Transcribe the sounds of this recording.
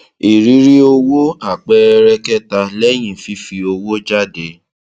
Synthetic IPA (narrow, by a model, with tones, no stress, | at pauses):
i˨ɾi˨˦ɾi˦o˧wo˦a˦˨k͡pɛ˦˧ɾɛ˦kɛ˦ta˧lɛ˦j̃ĩ˦˨fi˧˦fi˧o˧wo˦d͡ʒa˦de˧